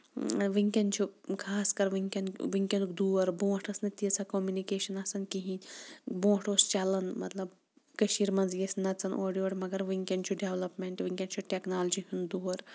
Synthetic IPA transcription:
ʋiŋkʲɐnt͡ʃʰukʰaːskɐɾʋiŋkʲɐnʋiŋkʲɐnkd̪uːɐɾbõːʈɐsnɐt̪iɐt͡sʰɐkomjunikeːʃɐnɐsɐnkiɦĩbõːʈoːst͡ʃɐlɐnmɐt̪lɐb | kɐʃiːɾmɐnzjesnɐt͡sɐnʔoːɖijoːɽmɐɡɐɾʋiŋkʲɐnt͡ʃʰuɖeʋlɐpmeɳʈʋiŋʲkʲɐnt͡ʃʰuʈeknaːlɐd͡ʒiɦund̪uːɐɾ

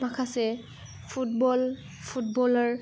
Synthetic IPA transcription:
makʰasɛ | pʰut̚bɔl | pʰut̚bɔlɔɹ

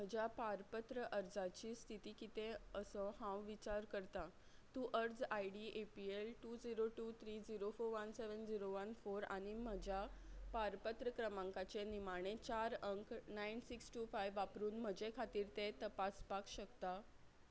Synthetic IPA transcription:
m̤əd͡ʑjapaɾpət̪ɾəʔəɾd͡zat͡ɕiːst̪ʰit̪iːkit̪eəsɔhãwʋit͡ɕaɾkəɾt̪a | t̪ũʔəɾd͡zajɖiʔepielʈud͡ziɾoʈuːt̪ʰɾiːd͡ziɾofoɾʋənseʋənd͡ziɾoʋənfoɾa̰ɽ̃im̤əd͡ʑjapaɾpət̪ɾəkɾəmãŋkat͡ɕenimaɽ̃et͡ɕaɾəŋknajnsiksʈufajʋːapɾuːnm̤əd͡ʑekʰat̪iːɾt̪et̪əpaspakɕəkt̪a

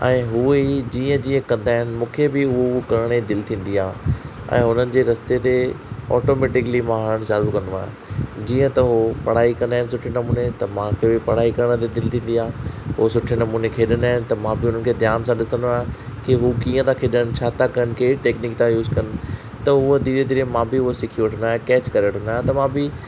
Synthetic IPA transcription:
ɛ̃ːɦueid͡ʑiːə̃d͡ʑĩːə̃kɐ̃nd̪aːɦɪnɪ̆mũːkʰebɪɦʊokɐɾɽ̃ed̪ɪlt̪ʰĩːnd̪iaː | ɛ̰̃ːɦʊn̤ənɪ̆d͡ʑeːɾɐst̪et̪eɔ̰ːʈomeːʈɪklimaːɦɭəɽ̃zaːɾukɐ̃noa̰ːɦɪ | d͡ʑĩːə̃t̪ɐɦopɐɽ̤aːikɐ̃nd̪aːɪnɪsʊʈʰenɐmuːnet̪ɐmãkʰebɪpɐɽ̤aːikɐɾəɽ̃ət̪ed̪ɪlt̪ʰĩːn̆d̪iaːɦɦosʊʈʰenɐmuːnekʰeːɗənaːɦɪ̃nɪ̆t̪ɐmãbɪʊn̤ən̆kʰeːd̪ʱjaːnsãɗɪsə̃nd̪oaːɦkɪɦukiːə̃t̪ãkʰeːɗəñɪ̆t͡ɕʰaːt̪ʰakɐjənɪkʰeːʈeːkniːk̚t̪ãjuːzkɐnɪ̆ | t̪ɐʊɦəd̪iːed̪ɪɾə̃mãːbɪɦʊɦosɪkʰiʋəʈʰənaːɦẽkɛːt͡ɕkɐɾeʋəʈʰʊ̃nd̪aːɦt̪ɐmãbɪ

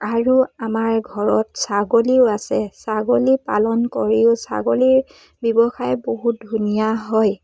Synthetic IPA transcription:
aɹuamaɹɡʱɔɹɔtsaɡoliʊasɛsaɡolipa̰lɔnkoɹiʊsa̰ɡoliɹ | bɔbɔxajɛboɦut̚dʱunijaɦɔj

